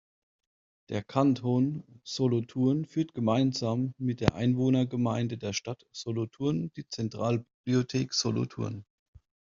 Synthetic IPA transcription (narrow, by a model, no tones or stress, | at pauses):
d̥eːɐkʰantʰonz̥olotʰuɐnfyːɐtɡ̥əmaɪnzaːmːɪt̚d̥eːɐʔa̰ɪnvoːnɐɡəmaɪndədeːɐʃtatz̥olotʰuɐnd̥iːt͡sɛntʁ̥aːlbib̥liotʰeːkz̥olo̰tʰṵɐn